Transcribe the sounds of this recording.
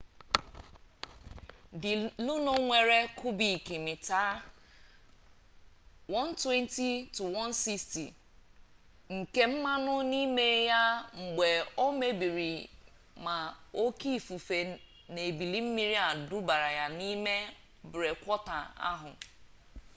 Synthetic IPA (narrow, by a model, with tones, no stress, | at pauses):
dɪ˨lu˦no˦ŋʷe˨ɾe˦kʰʊ˦bi˨ki˨mɪ˨taː˦ | wɔ˦n̩˦twe˦n˦ti˦tu˨wɔ˦n˦si˦kstḭ˨ | ŋ̩˨ke˦m̩˦ma˦nʊ˦ni˦me˦ja˦ŋ͡m̩˨ɡ͡be˨o˦me˦bi˨ɾi˨ | ma˨o˦ki˦˨fu˨fe˨ | ne˨bi˨li˦m̩˦mi˦ɾi˦a˨du˦ba˨ɾa˨ja˦ni˦me˦ | bʊ˨ɾe˨kʷɔ˦ta˨a̰˦ɦʊ˨